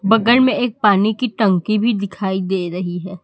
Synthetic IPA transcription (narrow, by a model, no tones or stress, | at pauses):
bɐɡəlmẽeːk̚paːnikiʈɐ̃ŋkibʱid̪ɪkʰaːid̪eːɾɐɦiɦɛː